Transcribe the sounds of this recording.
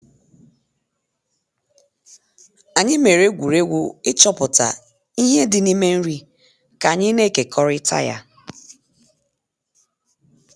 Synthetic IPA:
a˨ɲɪ˦me˨ɾe˦ɡʷu˨ɾe˦ɡʷʊ˦ɪ˦t͡ʃɔ˦pʊ˨ta̰˨ | i˦ɦe˦dɪ˦ni˦me˦n̩˦ɾi˦ | ka˨ɲɪ˦ne˦˨ke˨kʰɔ˦ɾɪ˦tʰa̰˦ja̰˦

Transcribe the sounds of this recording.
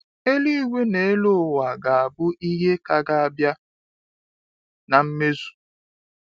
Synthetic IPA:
e˦li˦wʷe˦ne˨e˦lo˦˨wa˨ɡa˨a˨bʊ˦ʔi˦ɦe˦ka˦ɡa˦a˦bja˦ | na˨m̩˦me˦zu̥˨

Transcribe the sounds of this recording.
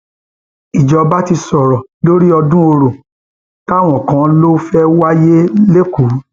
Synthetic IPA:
i˨d͡ʒɔ˨˧ba˦ti˧sɔ˨ɾɔ˨lo˦ɾi˦ɔ˧dũ˦o˧ɾo˨ | ta˦˨w̃ɔ̃˨kã˨˧˦lo˦fɛ˦wa˦je˦le˦ku˨˦

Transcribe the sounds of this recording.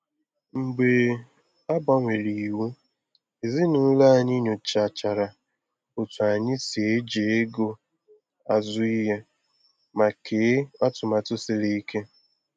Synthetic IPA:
ŋ͡m̩˨ɡ͡be˨ | a˦ba˨ŋʷe˨ɾi˨wu˦ | i˨zi˦nʊ˨˦la˦˨ɲɪ˦ɲʊ˨t͡ʃa˨t͡ʃa˨ɾa˨ | ʊ˨tʊ˨a˨ɲɪ˦si˨e˦d͡ʒe˨˦e˦ɡo˦ | a˨zʊ˦i˦ɦe˦ | ma˨kʰe˨˦ɔ˦tʊ˨ma˨tʊ˦sɪ˦ɾi˦i˦kʰe˦

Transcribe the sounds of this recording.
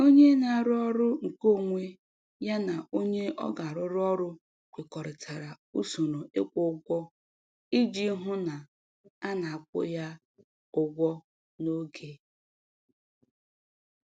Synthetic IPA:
o˦ɲe˦na˨ɾɔ˦ɾʊ˦ŋ̩˨ko˦˨ŋʷe˦ | ja˦na˨o˦ɲe˦ʔɔ̰˦ɡa˨ɾʊ˦ɾɔ˦ɾʊ˦ | kʷe˨kɔ˨ɾɪ˨tʰa˨ɾa˨ | u˦so˨no˨e˦kʷʊ˦ɡʷɔ˦ | i˦d͡ʒi˦ɦʊ˦na˨ | a˦na˨a˨kʷʊ̰˦ja˦ | ʊ˨ɡʷɔ˦ | no˦ɡe˦

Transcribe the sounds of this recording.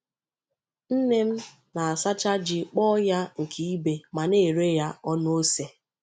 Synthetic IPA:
n̩˦ne˦m̩˦ | na˨a˨sa˦t͡ʃa˦d͡ʒɪ˨k͡pɔ˦ja˦ŋ̩˨kʰi˦i˦be˨ma˨ne˦˨ɾe˦ja˦ɔ˦n˦o˦se˨

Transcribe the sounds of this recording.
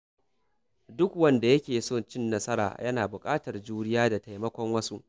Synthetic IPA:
dʊ˦kwɐ˦nda˨jɐ˦kʲeː˨soː˦˨nt͡ʃɪ˦nːɐ˦sɐ˦ɾa̰ː˨jɐ˦naː˨bʊ˨kʼaː˦tɐ˨rd͡ʒuː˦ɽɪ˦jaː˦da˨ta˨jmɐ˦kʷɔ˦ŋwɐ˦su˦ʔ

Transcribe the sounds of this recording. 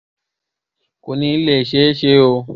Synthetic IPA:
ko˨nĩ˧˦le˦˨ʃe˨˦ʃe˦o˧

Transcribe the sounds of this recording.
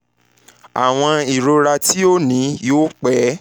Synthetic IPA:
a̰˨w̃ɔ̃˧i˨ɾo˧ɾa˧ti˦o˦nĩ˨˦joː˦k͡pɛ˨˦

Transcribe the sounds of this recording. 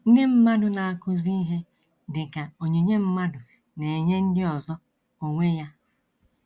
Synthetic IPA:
n̩˦dɪ˦m̩˦ma˦dʊ˨na˨a˨kʊ˦zi˦ɦe˦ | dɪ˨ka˨o˨ɲe˨ɲe˦m̩˦ma˦dʊ˨ | ne˨e˨ɲe˦n̩˦dɪ˦ɔ˨zɔ˦ | o˨ŋʷe˦ja˦

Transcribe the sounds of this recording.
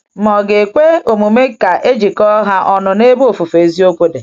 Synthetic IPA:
mɔ˨ɡe˨kʷe˦o˨mu˨me˦ka˨ʔe˦d͡ʒi˨kɔ˦ɦa˦ʔɔ˨nʊ˨ne˦bo˨fu˨fe˨˦zi˦o˦kʷo˦de˨

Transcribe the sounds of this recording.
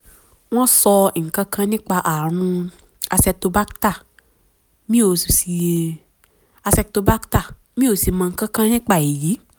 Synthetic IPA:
w̃ɔ̃˦sɔ˧i˨ŋ̩˨kã˦kʰã˦nĩ˦k͡pa˧ʔa˨ɾ̃ũ˧ | a˧sɛ˧to˧ba˦kta˦˨ | mĩ˦o˨ssi˨˧˨ | a˧sɛ˧to˧ba˦kta˦˨ | mĩ˦o˨si˧mã˧ŋ̩˦kã˦kã˦nĩ˦k͡pa˨e˨ji˨˦

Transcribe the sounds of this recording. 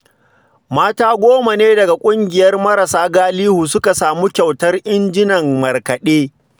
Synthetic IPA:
maː˦taː˦ɡʷoː˦ma˨neː˦dɐ˨ɡa˨kʷʼʊ˦ŋɡʲɪ˨jɐ˦rmɐ˦ɾɐ˨saː˦ɡaː˦liː˦huː˨sʊ˦ka˨saː˨mu˦kʲa˨wtɐ˦rʔɪ˦nd͡ʒɪ˦nɐ˨mːɐ˨rkɐ˨ɗeː˦

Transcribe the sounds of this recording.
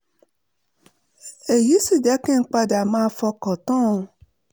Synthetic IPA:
e˨ji˦si˨da˦kɛ̃˦ŋ̩˦k͡pa˦dɪ˨a˨mã˦fɔ˦kɔ˨tɔ̃˦˨˦

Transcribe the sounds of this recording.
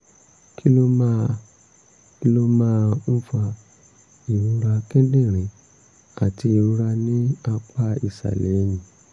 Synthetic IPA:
kʰi˦lo˦ma˦˧ | ki˦lo˦mãː˦˧ũ˦fa˧ | i˨ɾũ˧ɾa˧kɛ˦dẽ˦˨ɾ̃ĩ˨˦ | a˨ti˧i˨ũ˧ɾa˧nĩ˦a˧k͡pa˦i˨sa̰˨le˨˦jĩ˨

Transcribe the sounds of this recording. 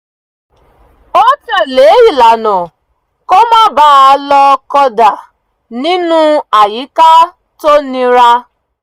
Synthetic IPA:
o˦t͡ʃa˨le˨e˦ji˨la˨nʊ̃˨ | kɔ˦mã˦ba˦˨a˨lɔ˦kɔ˦da˨ | nĩ˦nũ˦a˨ji˨˦ka˦ | to˦nĩ˦ɾa˦

